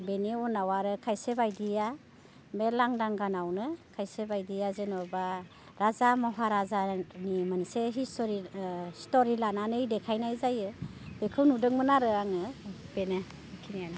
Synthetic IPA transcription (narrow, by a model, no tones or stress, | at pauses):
beneɔnawaɾɯkʰajsebajdija | melaŋdaŋɡanawnɯkʰajsebajdijazenɔba | ɾazamɔɦaɾazanimaniseɦistɔɾistoɾilananɯjdekʰajnajzajɯ | bekʰɯwnudɯŋmɯnaɾɯaŋɯbene | kʰinian